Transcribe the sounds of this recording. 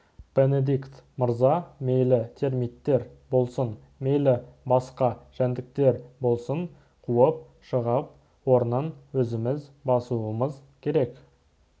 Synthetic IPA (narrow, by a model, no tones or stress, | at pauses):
b̥e̞ne̞d̪ikt̪məɾzɑme̞jlɪt̪ʰe̞ɾmijt̪ːe̞ɾbo̞lˠsən | me̞jlɪbɑsqɑʒ̥ænd̪ɪk̚t̪e̞ɾbo̞lˠsəɴ | qʰuəp̚ | ʃəʁɑp̚ | wo̞ɾənɑnwɵzɪmɪzbɑsuəməzkʲʰe̞ɾe̞k